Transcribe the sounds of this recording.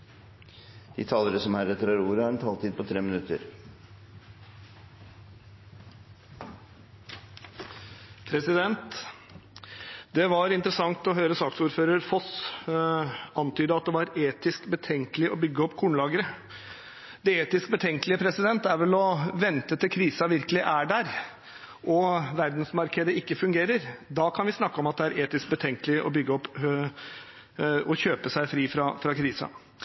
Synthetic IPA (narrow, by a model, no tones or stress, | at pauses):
d̪̥ḭːt̪ʰɑːləɾəsɔmhæɾɛt̪əɾɑɾuːɾəhɑɾɛnt̪ʰɑːlt̪iːd̪̚pʰɔt̪ʰɾeːmɪnʉt̪ːə̰ɾ | pʰɾɛsɪd̪ɛnt̪ | d̪ɛʋɑɾɪnt̪əɾəsɑŋt̪ɔɦøːɾəsɑːksuːɾføːɾəɾfɔs | ɑnt̪ʰyːd̪əɑt̪̚d̪ɛʋɑɾeːt̪ɪskbət̪ʰɛŋkəlɪʔɔbʏɡːəɔpːkʰuːɳlɑːɡəɾə | d̪̥ɛeːt̪ɪskbət̪ʰɛŋkəlɪəpʰɾɛsɪd̪ɛnt̪ːæɾʋɛlɔʋɛnt̪ət̪ɪlkʰɾiːsɑʋɪɾkəlɪʔæɖæɾ | ʔɔʋæɾd̪nsmɑɾkʰed̪əɪkːəfʉŋɡeːɾəɾd̪ɑkʰɑnʋɪsnɑkːəɔmɑt̪̚d̪ɛæɾeːt̪ɪsk̚bət̪ʰɛŋkəlɪʔɔ̰bʏɡːəɔpː | ɔçøːpəsæɪfɾiːfɾɑfɾɑkʰɾiːsɑ̰